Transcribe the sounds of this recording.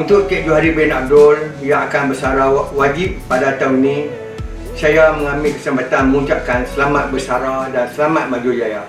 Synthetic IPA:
unt̪ʊʔk̪ɛʔ̚d͡ʒuaɦaɾibɪnaʔ̚dʊlijaːkanbəsaɾawad͡ʒip̚ːadat̪aunĩ | sajaməŋãmɪlkə̥səmpat̪anməuɲt͡ʃaʔkansəlamat̪̚bəsaɾadansəlamat̪̚mad͡ʒud͡ʒaja

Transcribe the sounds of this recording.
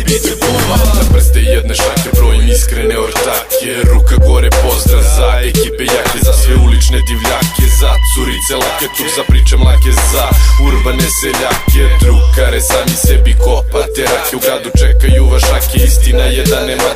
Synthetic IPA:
bit̪ipoanapr̩st̪ejɛd̪neʃakʲebɾoːjimiskɾeneoɾt̪akʰeɾukaɡoɾepozd̪ɾafzaekipejakezaseɛulit͡ʃned̪iʋʎakezat̪suɾit̪selˠaket̪usapɾiːt͡ʃemlˠakezauɾbaneseʎaked̪ɾukaɾesaːmisɛbikopat̪eɾakeuɡɾaːd̪ut͡ʃɛkajuʋaʃakeist̪inajɛd̪anema

